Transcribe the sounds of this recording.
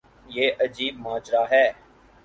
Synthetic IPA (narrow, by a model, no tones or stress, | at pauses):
jeːʔəd͡ʒiːb̚maːd͡ʒɾaːɦɛː